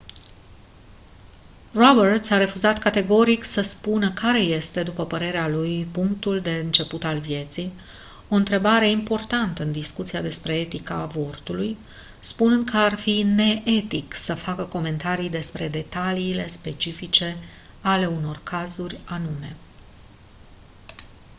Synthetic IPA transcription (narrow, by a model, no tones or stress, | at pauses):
robərt̪saɾe̞fuzat̪kat̪e̞ɡo̞ɾiksəspunəkaɾe̞je̞st̪e̞d̪upəpəɾe̞ɾealujpuŋk̚t̪uld̪e̞ɨnt͡ʃe̞put̪alvje̞t̪sij | o̞ɨnt̪ɾe̞baɾe̞impo̞rt̪ant̪əɨnd̪iskut̪siad̪e̞spɾe̞et̪ika̰vo̞rt̪uluj | spunɨnd̪̚kʰəarfine̞ʔe̞t̪iksəfakəko̞me̞nt̪aɾijd̪e̞spɾe̞d̪e̞t̪aliːle̞spe̞t͡ʃifit͡ʃe̞ | ale̞uno̞rkʰazurʲanume̞